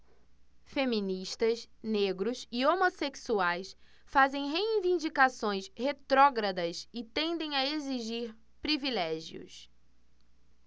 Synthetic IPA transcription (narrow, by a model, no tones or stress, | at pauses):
femĩniʃt̪ɐsneɡɾʊsɪomoseksuajs | fazẽj̃ɦeĩvĩnd͡ʒikasõj̃shet̪ɾɔɡɾɐd̪ɐsɪt̪ẽnd̪ẽj̃ɐeziʒiɾ | pɾivilɛʒiʊ̰s